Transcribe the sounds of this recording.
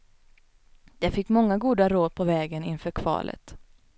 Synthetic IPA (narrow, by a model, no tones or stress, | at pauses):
d̪ɛfɪkːmɔŋːaɡuːd̪aɾoːd̪̚pʰɔvɛːɡənɪnfœːɾkʰvɑ̰ːlʔə̰t̪